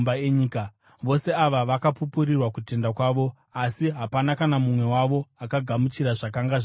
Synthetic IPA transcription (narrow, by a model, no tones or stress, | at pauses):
aeɲiːka | ʋo̞se̞aʋaʋakapupurirwakute̞ndakwaːʋo̞ | asiɦapanakanamumwe̞waʋo̞akaɡʱamut͡ʃiɾaʐakaŋɡaʐ